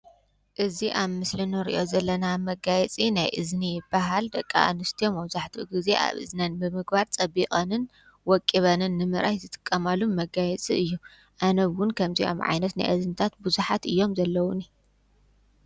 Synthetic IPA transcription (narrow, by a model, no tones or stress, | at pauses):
ʔɨziʔaβmɨslɨnɨɾḭʔozɐlːɐnamɐɡajɛt͡sʼinajʔɨznijɪbːaɦald̪ɐkʼːa̰ʔa̰nɨst̪ʰijomɐβzaħt̪ʰiʔuɡɨze̞ʔa̰βɨ̰znɐnbɨmɨɡbaɾt͡sʼɐbikʼɐnɨn | wɔkʼːiβɐnɨnːɨmɨɾʔajzɨt̪ʼɨ̥kʼːɐmalumɐɡajɛt͡sʼiɨjːu | ʔanɐβwʊnkʰɐmziʔo̰mʕa̰jnɐt̪na̰jʔɨzɨnt̪ʰat̪buzuħat̪ɨjːo̞mzɐlːɐwuni